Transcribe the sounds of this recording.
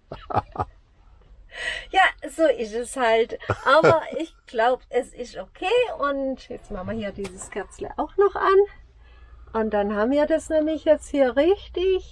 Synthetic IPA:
jaːzoːʔɪstɛshaltʔaːbɐʔɪçɡ̥laʊbʔɛsɪstokʰeːʊntjɛt͡stmaχm̩vɐhiːɐdiːzəskʰɛɐt͡slə̰ʔa̰ʊxnɔχʔan | ʔʊnt̚d̥anhaːbm̩viːɐdasnɛːmlɪçjɛt͡sthiːɐʁɪçtɪç

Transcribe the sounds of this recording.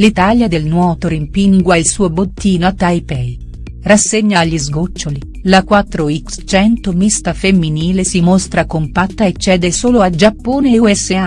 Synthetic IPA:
lit̪aljad̪elnwɔːt̪oɾimpiŋɡwailsuːobot̪ːiːnoat̪ːajpɛ | rasːeɲːaːʎːizɡot͡ʃːoli | lakwat̪ːɾoikst͡ʃɛnt̪omist̪afemːiniːlesimost̪ɾakompat̪ːaet͡ʃːɛːd̪esoːload͡ʒapːoːneuɛsːea

